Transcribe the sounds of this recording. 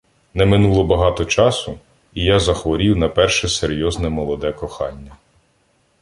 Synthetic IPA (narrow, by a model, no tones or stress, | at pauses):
nɛmɪnulˠɔbɐɦɑt̪ɔt͡ʃɑsʊ | ijazɐxʋɔɾʲiwnɐpɛrʃɛseɾʲjɔznɛmɔlˠɔd̪ɛkɔxɑ̰nʲːɐ